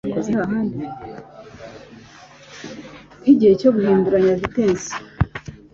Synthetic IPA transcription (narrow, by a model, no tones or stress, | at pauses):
kozehaɾaɦaːndi | kiɟihecoɡuhiːnduɾaɲaziteːnsi̥